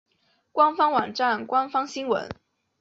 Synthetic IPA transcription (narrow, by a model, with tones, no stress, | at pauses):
kwa˥nfɑ˥ŋwɑ˨˩ŋʈ͡ʂa˥˩nkwa˥nfɑ˥ŋɕi˥ŋwə̰˧˥n